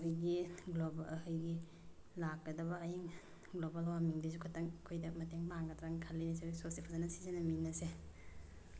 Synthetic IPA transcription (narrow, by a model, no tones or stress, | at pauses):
hʰujɡiɡlobhujɡi | lakːɐdɐbɐːjiŋ | ɡlobalwamiŋdisukʰɐtɐŋkʰojdɐmɐteŋbaŋɡɐdɾaŋɡkʰalːiniseɡisosipʰazanɐsizɐnɐminɐse